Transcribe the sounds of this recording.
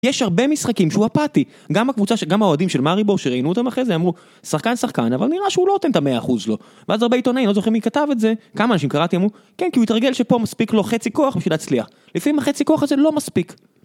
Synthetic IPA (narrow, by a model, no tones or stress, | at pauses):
jeʃhaʁbemisχakimʃeuapat̪i | ɡamakvut͡saʃɡamhaoad̪imʃe̞lmaʁiboʃeʁeinuot̪amaχezeamʁu | saχkansaχkanavalniʁaʃeuloot̪ent̪ameaːχuzlo̞ | veazaʁbeit̪o̞naimlo̞zoχimikatavetze̞kamaːnaʃimkaʁat̪iamʁu | kenkiuitʁaɡe̞lʃepo̞maspiklo̞χet͡siko̞aχbiʃilːt͡sliaχ | lifamimhaχet͡siko̞aχazelo̞maspik